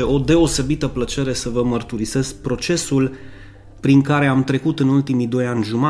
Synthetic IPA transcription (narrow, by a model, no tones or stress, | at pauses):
eʔo̞d̪e̞o̞se̞bit̪əplət͡ʃe̞ɾe̞səvəmərt̪uɾise̞sk̚pɾo̞t͡ʃe̞sul | pɾiŋkaɾe̞amt̪ɾe̞kut̪ɨnult̪imid̪o̞janʲʒuma